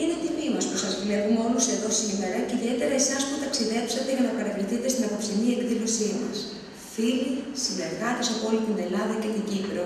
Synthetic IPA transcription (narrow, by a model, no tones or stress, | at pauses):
ine̞t̪imimɐspusɐzvle̞pumeo̞lose̞ðo̞sime̞ɾɐceiðie̞t̪e̞ɾɐe̞sɐsput̪ɐksiðe̞psɐt̪eʝɐnɐpɐɾɐpliθit̪e̞st̪inɐkopsinie̞kðilo̞simɐ̰s | filisine̞ɾɣɐt̪isɐpo̞lit̪ind̪e̞lɐðɐcet̪iɲɟipɾo̞